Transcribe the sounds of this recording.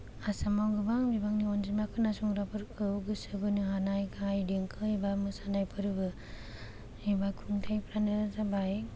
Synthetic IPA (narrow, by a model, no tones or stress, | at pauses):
asamawɡɯbaŋbibaŋniɔnd͡ʒimakʰɯnasuŋɾapʰɯɾkʰɯɡɯsɯbɯnɯɦanajkʰajdeŋkʰɯibamɯsanajpʰɯɾɯbɯ | ibakʰuŋtʰajpʰɾanɯzabaj